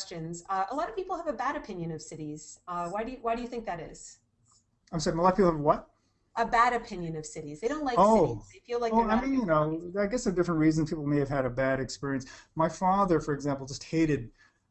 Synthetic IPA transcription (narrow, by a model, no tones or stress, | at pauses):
st͡ʃɨ̃nz̥ʌʔəlɑɾʌv̥pʰipl̩ˠəvɨbæɾɨpʰɪ̃njɨ̃nʌv̥sɪɾiz̥ʌwaɪɾɨɨwaɪɾɨjɨθɪ̃ŋk̚ðɨɾɪ̰z̥ | ãɪ̃msɑɹɪ̃lɑɾ̚pʰipl̩ˠʌvwʌt̚ | ʔəbæɾɨpʰɪ̃njɨ̃nʌv̥sɪɾizðeɪɾõʊ̃nʔlaɪoʊizðeɪfilaoʊaɪmĩnjɨnoʊaɪɡɛsɨdɪfɹə̃nt̚ɹizɨ̃npʰipl̩ˠmeɪɨv̥ɨɾɨbæɾɨkspɪɹiɨ̃nsmaɪfɑðə˞fə˞ɨɡzæ̃mpl̩ˠd͡ʒʌst̚heɪɾɨd̚